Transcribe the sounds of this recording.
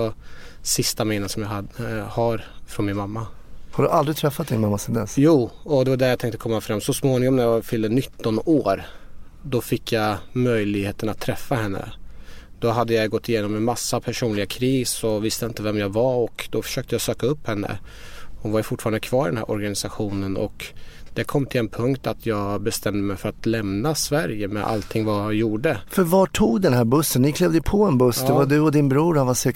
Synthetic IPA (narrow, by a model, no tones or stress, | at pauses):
asɪst̪amɪːnəsɔmjahahaɾfɾɔnmɪnmamːa | haɖɵʔald̪ɾɪɡt̪ʰɾɛfːat̪̚d̪ɪnmamːasɛnd̪ɛsjuːɔd̪ɛvaɖæɾjat̪ʰɛŋkt̪əkʰɔmːafɾamːsɔsmoːnɪŋɔmnæjavfʏlːənʏt̪ːɔnoːɾd̪ɔfɪkʰːjamœjlɪɡheːt̪ənat̪ʰːɾɛfːahɛnːə̰d̪̥ɔɦad̪ːəjajɡɔt̪ːɪjeːnɔmɛnmasːapʰæʂuːnlɪɡakʰɾiːsɔvɪst̪əɪnt̪əvɛmjɑːɡvaɔkd̪ɔfœ̥ʂøːk̚t̪əjasøːkaɵpːhɛnːə̰ | hʊnvaɾjɵfʊʈːfɑːɾand̪əkʰvɑːɾɖɛnhæ̰ɾʔɔɾɡanɪsaɧuːnənʔɔ̰kd̪̥ɛkʰɔmːt̪ʰɪlɛnpʰɵŋkt̪at̪ʰjɑːɡbɛst̪ɛmd̪əmɛjfœɾat̪lɛmnasvæɾjəmɛ̰ʔa̰lt̪ʰɪŋːvajajuːɖəfœɾvɑʈʰuːɡd̪ɛnɦæːɾbɵsːənːɪkʰlɛvd̪əjpʰɔɛnbɵsːd̪ɛvad̪ɵɔd̪ɪnbɾuːɾhanvasɛ